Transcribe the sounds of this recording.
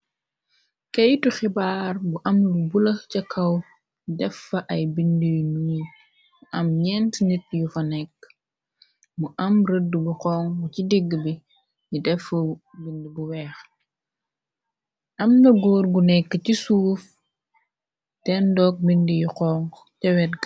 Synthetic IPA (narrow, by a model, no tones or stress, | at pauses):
kejtuxibaːrbuʔɐmlubulɐcɐkʰɐw | idɛfːɐʔɐjbindijnuː | muʔɐmɲɛntnit̚jufɐnɛkː | muʔɐmɾədːubuqɔːŋucidiɡːbi | jidɛfɐbindibuwɛːx | ʔɐmnɐɡɔːɾɡunɛkːəcisuːf | tɛndɔk̚bindijuqɔːŋ | tɛwɛtɡ